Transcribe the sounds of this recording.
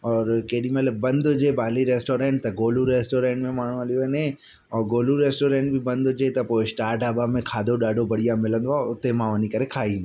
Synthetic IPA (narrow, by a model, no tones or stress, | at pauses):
ɔːɾkeːɗimeləbɐ̃nd̪ʊd͡ʑebaːliɾeːsʈoːɾẽːʈ̚t̪ɐɡoːluɾeːsʈoːɾẽːɳʈmẽmaːɳ̤ũɐljoɐnẽ | ɔːɾɡoːluɾeːsʈoːɾẽːɳʈbʱɪbɐ̃nd̪ʊd͡ʑet̪ɐpoːɪsʈaːɾʈabamẽkʰaːd̪ʱoɗaːɖʱobɐɽijãmɪlə̃nd̪oaʊt̪emãʋɐnikɐɾekʰaːɦine